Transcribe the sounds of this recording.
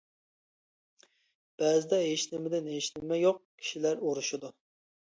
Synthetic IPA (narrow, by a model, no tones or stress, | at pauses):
b̥ɛzɪd̪ɛɦeʃnɪmɪd̪ɪnɦeʃnɪmɛjoq̚kʲʰi̥ʃilæɾoɾuʃʊd̪u